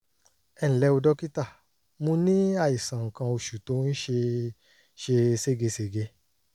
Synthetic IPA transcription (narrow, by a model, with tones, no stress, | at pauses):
ɛ˧˨ñ̩˨lɛ˧o˧dɔ˦ki˦ta˦˨ | mũ˦nĩ˦a˦˨i˨sã˨ŋ̩˨kã˧o˧˨ʃu˨to˨˧ñ̩˦ʃe˧ | ʃe˧se˦˨ɡe˧se˨ɡe˧